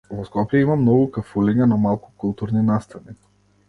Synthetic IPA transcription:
vɔskɔpjɛimamnɔɡukafulɛɲanamalˠku̥kulˠt̪uɾninast̪ani

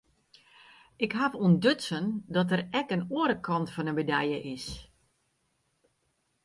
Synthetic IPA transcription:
ɪkɦavuəndøtsəndɔtərɛkənuːəɾəkʰɔntfɔnənbədɛjəʔɪs

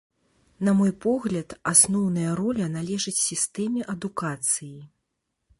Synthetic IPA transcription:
nɐmɔjpɔɣlʲɐt̪asnɔwnɐjɐɾɔlʲɐnalʲɛʐɐt͡sʲsʲist̪ɛmʲɛʔɐd̪ukat̪sɨji

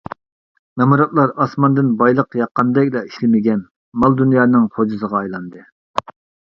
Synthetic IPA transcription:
mɛmuɾɑt̪lˠɑɾɑsmɑnd̪ɨnbɑjlˠəqjɑqːɑnd̪ɛkʲlɛi̥ʃlɪmɪɡʲɛn | mɑlˠd̪unjɑːnɨŋχʰod͡ʒɨzəʁɑːjlˠɑnd̪ɨ

